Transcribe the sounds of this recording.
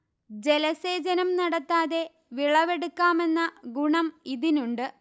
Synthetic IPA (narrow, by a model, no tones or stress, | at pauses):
d͡ʑe̞lɐse̞ːd͡ʑɐnɐmnɐɽɐt̪ːaːðe̞ | ʋiɭɐʋe̞ɽukːaːme̞nːɐɡuɳɐmiðinuɳɖɨ